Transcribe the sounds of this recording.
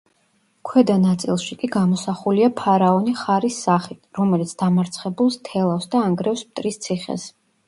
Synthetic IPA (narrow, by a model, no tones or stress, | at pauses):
kʰwɛd̪anat̪sʼḭlˠʃikʼiɡamɔsaχuliapʰaɾaɔniχaɾisːaχit̪ʰɾɔmɛlit̪sʰd̪̥amaɾt̪sʰχɛbulˠst̪ʰɛlˠafsd̪aːŋɡɾɛfsp̚t̪ʼɾist̪sʰiχɛ̰s